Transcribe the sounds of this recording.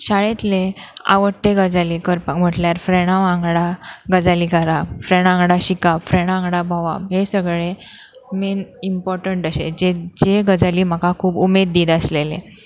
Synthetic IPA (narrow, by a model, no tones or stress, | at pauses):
ɕaɭet̪lea̰ʋət̪ːeɡəd͡zalikəɾpakm̤əʈljaɾfɾeɽ̃aʋãŋɡɽaɡəd͡zalikəɾafɾeɽ̃ãŋɡɽaɕikafɾeɽ̃ãŋɡɽabʱaʋa̰ɦesəɡɭe | menimpɔɾʈəɳʈəɕḛd͡ʑed͡ʑeɡəd͡zaliːm̤əkakʰuːbumed̪̚ːiːd̪əslelḛ